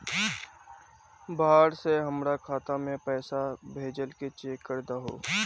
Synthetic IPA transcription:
baːɾseɦɐmɾakʰaːt̪amẽpɛːsabʱeːd͡ʒəlket͡ʃeːkːəɾd̪aɦoː

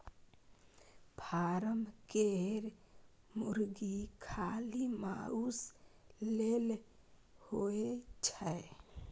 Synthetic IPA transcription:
pʰaɾəmkeɾ | muɾɡikʰalimauslel | hoet͡ʃʰə

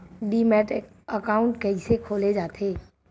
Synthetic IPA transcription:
ɖiːmɛːʈ | əkaːʊ̃ɳʈkɛɦisekʰoːled͡ʒaːt̪ʰeː

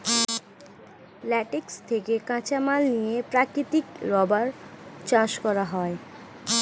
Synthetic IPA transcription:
lɛʈikst̪ʰekekãt͡ɕamalnijepɾakɾit̪ikɾɔbaɾt͡ɕãʃkɔɾaɦɔe

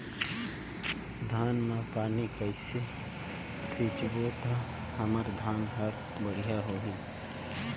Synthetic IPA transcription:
d̪ʱaːnmẽpaːnikəɪse | sit͡ʃbot̪a | həməɾd̪ʱaːnɦəɾ | bəɽijaɦoːɦi

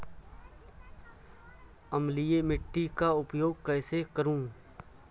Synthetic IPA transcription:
əmliemɪʈːikaʊpjoːɡ̚kɛːsekəɾũː

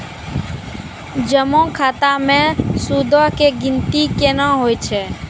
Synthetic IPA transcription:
d͡ʒəmõːkʰaːt̪amẽsud̪ʱəɦkeɡɪ̃nt̪ikenãɦoːjt͡ʃʰeː

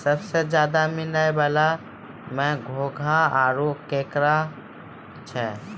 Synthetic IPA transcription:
səbsed͡ʒjaːd̪amɪlajbaːla | mɛ̃ɡʱoɡʱaaɾokẽːkɾa | t͡ʃʰɛ

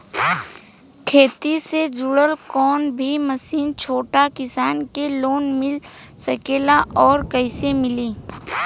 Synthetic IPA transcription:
kʰeːt̪ised͡ʒʊɽəlkɔːnbʱiməsiːnt͡ʃʰoːʈakɪsaːnkeloːnmɪlsəkeːlaʔɔːɾkəɪsemɪliː

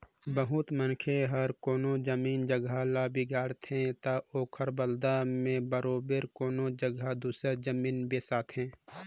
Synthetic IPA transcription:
bəɦʊt̪mənkʰeɦɐɾkoːnod͡ʒəmiːnd͡ʒəɡʱalaːbiɡaːɾt̪ɦɛ̃t̪aoːkʰəɾbəld̪amẽbəɾoːbeɾkoːnod͡ʒəɡʱad̪uːsəd͡ʒəmiːnbeːsaːt̪ɦɛ̃ː

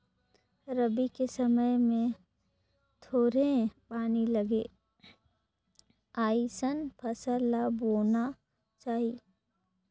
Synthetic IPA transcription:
ɾəbikesɐməjmẽ | t̪ʰoːɾepaːnilɐɡeː | aːisənpʰɐsəlːaboːna | t͡ʃaːɦi

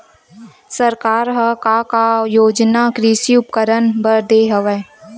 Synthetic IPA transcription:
səɾkaːɾɦəkakajoːd͡ʒnakɾiːʃiʊpkəɾənbəɾd̪eːɦəʋɛː

